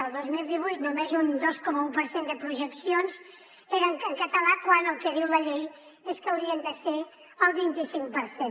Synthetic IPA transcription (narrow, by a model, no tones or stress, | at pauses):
əlˠd̪ozmilˠd̪iβ̞ujt̪̚numezund̪oskɔməupəɾsend̪əpɾuʒəksionz | eɾəŋkəŋkət̪əlakwanəlˠkəβiwləʎej | eskəwɾiənd̪əse | əlˠβint̪isiŋk̚pəɾsen